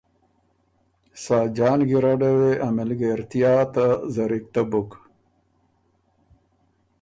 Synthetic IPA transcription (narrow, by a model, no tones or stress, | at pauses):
saːd͡ʑaːnɡiɾaɖaweʔamilɡeɾt̪ijaːt̪azɐɾik̚t̪abuk